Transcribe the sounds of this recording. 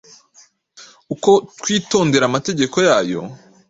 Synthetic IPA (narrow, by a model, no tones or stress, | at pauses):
uko̞twiːto̞ːnde̞ɾamate̞ɟe̞ko̞jaːjo̞̰